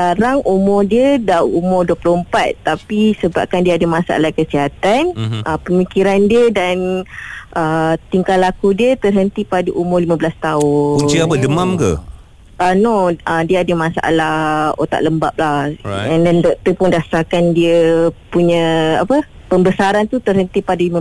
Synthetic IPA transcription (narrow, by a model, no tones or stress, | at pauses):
kaɾaŋʔumʊrdiədaʔumʊrduəplʊəmpat̪̚ːapisəba̰p̚kandiəadəmãsa̰a̰lakəsiɦat̪anʔəpəmikiɾandiədanʔət̪iŋkalakudiət̪ərɦənt̪ipadəʔumʊrlimãbəlast̪aʊkuɲt͡ʃiapədəmamkə̰ | ʔanoədiəadəmãsa̰ʔa̰laho̰t̪a̰ʔləmba̰p̚lahɛndandɔʔt̪əpʊŋdasakandiəpuɲə̃apə | pəmbəsaɾant̪ut̪ərɦənt̪ipadalimə